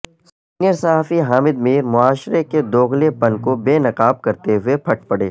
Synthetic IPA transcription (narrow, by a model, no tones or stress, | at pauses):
siːnijəɾsɐɦaːfiɦaːmɪd̪miːɾmʊaːʃɾeked̪oːɣlepɐnkobeːnɐqaːb̚kɐɾt̪eɦʊepʰɐʈ̚ʰpɐɽḛː